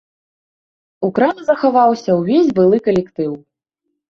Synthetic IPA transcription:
ukɾanzɐxavawsʲɐwvʲezʲbɨlˠɨkɐlʲɛkt̪ɨw

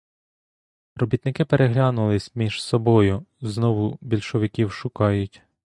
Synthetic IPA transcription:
rɔbʲit̪nɪkɪpeɾʔeɦlʲɑnʊlˠɪsʲmʲiʒ̥sɔbɔjʊznɔʋʊbʲilʲʃɔʋɪkʲiwʃʊkɑjʊtʲ

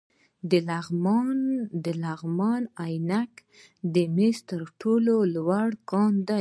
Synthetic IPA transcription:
d̪əlaɣmɑnd̪əlaɣmɑnajnak | d̪əmest̪əɾʈʰololwaɽkɑnd̪a

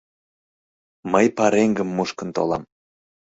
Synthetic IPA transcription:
məjpɑɾeŋɡəmːuʃkə̆nt̪o̰lɑm

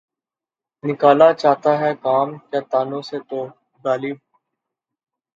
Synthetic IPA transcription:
nɪkaːlat͡ʃaːt̪aɦɛkaːmkjaːt̪aːnõset̪oː | ɡaːliːb̚

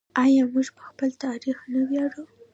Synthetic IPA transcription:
ɑjɑmuʒpə̥xpəlt̪ɑɾixnawjɑɽu

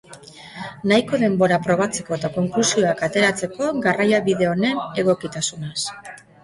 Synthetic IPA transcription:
najko̞ðe̞mbo̞ɾapɾo̞β̞at͡se̞ko̞et̪ako̞ŋklusio̞akat̪e̞ɾat͡se̞ko̞ɡarajaβiðe̞o̞ne̞ne̞ɣ̞o̞kit̪asunes

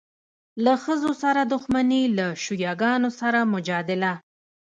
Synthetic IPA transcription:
laxəzosaɾad̪ʊxmanilaʃujɑɡɑnosaɾamʊd͡ʒɑd̪ɪla

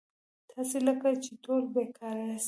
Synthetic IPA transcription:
t̪ɑseləkat͡ʃet̪oɾbekʰɑɾas

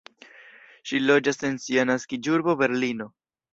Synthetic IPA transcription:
ʃilo̞d͡ʒase̞nsianaskid͡ʒuɾbo̞be̞ɾlino̞

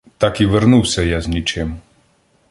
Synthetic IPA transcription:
t̪ɑkiʋeɾnuwsʲɐjaznʲit͡ʃɪm

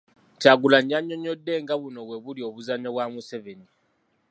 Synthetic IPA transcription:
caɡulaɲːaɲːo̞ɲo̞dːe̞ŋɡaβuno̞βwe̞βulio̞βuzaɲoβwamuseveni

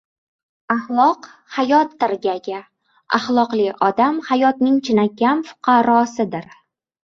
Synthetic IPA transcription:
ahlˠɒq | hajɒt̪ːɪɾɡʲaɡʲa | a̰χlˠɒqlˠɪɒd̪amhajɒt̪nɪŋt͡ʃʰɪnakʲamfʊ̥qʰɑɾɒsɪd̪ɪɾ

